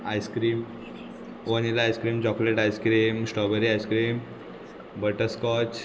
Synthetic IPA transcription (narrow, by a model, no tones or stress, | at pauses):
ajskɾiːm | onilaajskɾiːmt͡ɕɔkleʈajskɾiːmsʈɔbəɾiajskɾiːm | bəʈəskɔt͡ɕ